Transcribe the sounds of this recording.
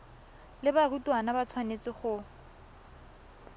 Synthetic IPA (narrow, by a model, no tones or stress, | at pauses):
lɪbarutwanabat͡sʰwanet͡sɪχʊ